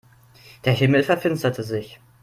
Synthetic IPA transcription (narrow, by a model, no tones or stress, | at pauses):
d̥eːɐɦɪml̩fɛɐfɪnstɐtʰəzɪç